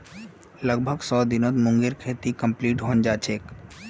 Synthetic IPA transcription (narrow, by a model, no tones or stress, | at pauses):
ləɡ̚bʱəɡsɔːd̪ɪnoːt̪mʊ̃ŋɡeɾkʰeːt̪ikə̃mpliːʈɦond͡ʒaːt͡ʃʰeːk